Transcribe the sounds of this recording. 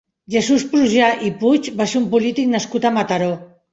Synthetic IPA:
ʝesuspɾuʒaʔiput͡ʃbasumpulit̪iknaskut̪amat̪aɾo

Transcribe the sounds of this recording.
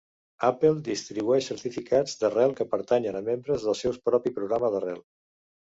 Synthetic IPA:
apəlˠd̪ist̪ɾiβuɛʃsəɾt̪ifikʰad͡zd̪ərɛlˠkəpəɾt̪aɲənəmembɾəzðəlˠsɛwspɾɔpipɾuɣɾaməðərɛ̰lˠ

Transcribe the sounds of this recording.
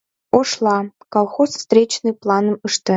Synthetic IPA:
oʃlˠɑkɑlˠxosst̪ɾʲet͡ɕnɨjplˠɑnɤ̆məʃt̪ə̆

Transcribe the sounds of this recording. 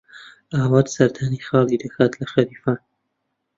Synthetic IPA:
aːwad̪sɐɾd̪ʰanixɑːlˠid̪əkʰaːt̪lɐxaɾiːfaːn

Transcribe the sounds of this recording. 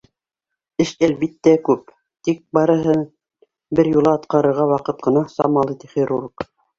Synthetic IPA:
ɘʃælβit̪ːækʉp | t̪ik̚bɑɾɤ̆ɦɤ | bɘɾjulˠɑːt̪qɑɾɤ̆ɾʁɑwɑqɤt̪̚qɤ̆nɑsɑ̰mɑlˠit̪ɘ̥χeɾuɾq

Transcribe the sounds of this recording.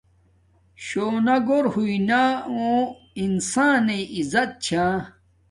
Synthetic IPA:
ɕoːnaɡoɾhuinaõ | insaːnẽizɐt̪̚t͡ɕʰã

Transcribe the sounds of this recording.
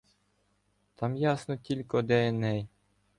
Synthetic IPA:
t̪ʰɑmjɑsnɤ̆t̪ʲilʲkod̪æɘnæj

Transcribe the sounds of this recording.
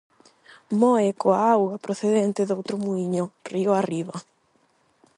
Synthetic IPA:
mɔekoaawɣapɾoθeðent̪ɪðowt̪ɾʊmuiɲorioariβa

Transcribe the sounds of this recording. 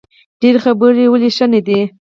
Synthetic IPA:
ɖ̥eɾxabəɾiwəliʃaned̪i

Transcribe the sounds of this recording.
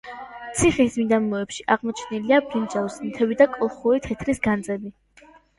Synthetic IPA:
t̪sʰiχismid̪amɔɛpʃiʔaʁmɔt͡ʃʰniliabɾind͡ʒawsmt̪ʰɛvid̪akʼɔlˠχuɾit̪ʰɛt̪ʰɾisɡand̪zʼɛbi

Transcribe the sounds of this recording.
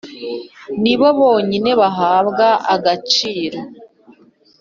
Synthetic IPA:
niβo̞βo̞ːɲine̞βaɦaːβɡaʔaɡat͡ʃiːɾo

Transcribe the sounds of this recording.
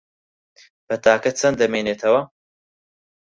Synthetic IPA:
b̥ɐt̪ʰaːkɐt͡sʰɐnd̪ɐmeːneːt̪ʰɐwɐ

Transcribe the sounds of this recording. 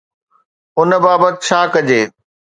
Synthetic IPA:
ʊnə̆baːbət̪ɪt͡ɕʰaːkɐd͡ʑeː

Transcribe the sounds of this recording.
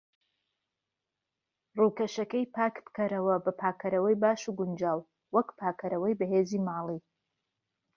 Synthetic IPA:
ruːkɐʃɐkɐjpʰaːkbɨ̥kɐɾɐwɐbɐpʰaːkʰɐɾɐwɐjbaːʃuɡʊnd͡ʒaːw | wɐkpʰaːkʰɐɾɐwɐjbɐɦeːziːmaːlˠiː

